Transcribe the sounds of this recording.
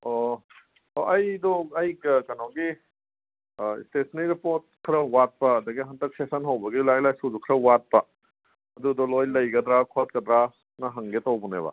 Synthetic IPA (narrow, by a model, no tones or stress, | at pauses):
ɔ | ʔɐjdɔɐjɡɐkɐnɔɡi | ḭstesniɾipoɾt̚kʰɾɐwat̚pɐːdɐɡiɦɐndɐk̚sesɐnɦɐwbɐɡilajlajsudukʰɾɐwat̚pɐ | ɐdudɔlojlɐjɡɐd̪ɾakʰot̚kɐd̪ɾa | nɐɦɐŋɡetawbunḛbɐ̰